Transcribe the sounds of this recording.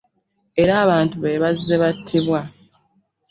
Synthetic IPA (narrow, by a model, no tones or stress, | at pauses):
e̞ɾaːβaːntuβeːβazːeβatʰːiβwa